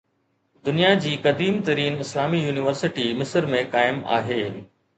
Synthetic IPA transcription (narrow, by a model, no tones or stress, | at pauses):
d̪ʊnijad͡ʑiːkɐd̪iːmt̪ɐɾiːnɪslaːmijuːnɪʋəɾsɪʈimɪsəɾmẽkaːɪma̰ːɦeː